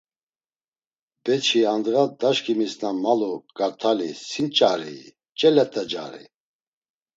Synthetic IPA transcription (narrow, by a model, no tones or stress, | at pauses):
bɛt͡ʃʰiand̪ɣad̪aʃkʰʼimisnamaluɡ̥aɾt̪ʰalḭsint͡ʃʼaɾḭ | t͡ʃʼɛlɛt̪ʼɛd͡ʒa̰ɾḭ